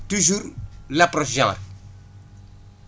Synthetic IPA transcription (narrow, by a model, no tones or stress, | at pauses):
tuʒuːɾlapɾɔʃʒɑ̃ːɾ